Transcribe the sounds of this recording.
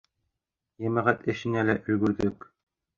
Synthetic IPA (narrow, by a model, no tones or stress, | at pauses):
jæmæʁæt̪ɘ̆ʃɘ̆nælæʔɵ̆j̪ɡɵ̆ɾðɵk